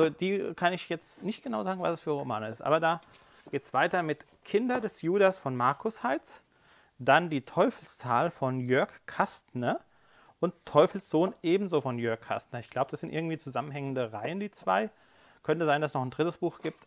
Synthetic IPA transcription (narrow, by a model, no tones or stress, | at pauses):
ʔzod̥iːkʰanɪçjɛt͡stnɪçt̚ɡ̥ənaʊzaːɡŋ̩vasɛsfyːɐʁoma̰ːnəɪstʔa̰ːbɐdaː | ɡ̥eːtsv̥aɪtɐmɪt | kʰɪndɐdɛsjuːdasfɔnmaɐkʰʊshaɪt͡s | d̥andiːtʰɔʏfl̩st͡saːlfɔnjœɐkkʰːastnə | ʔʊnttʰːɔʏfl̩sz̥oːnʔeːbm̩zoːfɔnjœɐkʰːa̰stnɐɪçɡ̥laʊbəd̥asz̥ɪntʔɪɐɡŋ̩tv̥iːt͡suzamənɦɛŋəndəʁa̰ɪəndiːt͡sv̥a̰ɪ | kʰœntəzaɪndasnɔχn̩dʁɪtəsb̥uːxɡ̥iːp̚t